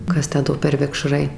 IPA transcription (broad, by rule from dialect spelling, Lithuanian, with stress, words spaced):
ˈkɐs ˈtʲæː ˈdoː pʲɛr ʋʲɪkˈʃrɐɪ